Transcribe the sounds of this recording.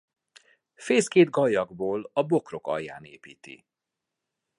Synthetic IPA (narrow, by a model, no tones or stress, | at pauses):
feːskeːd̪̚ɡɒjːɒɡboːlɒbo̞kro̞kɒ̰jːa̰ːnḛːpiːt̪ḭ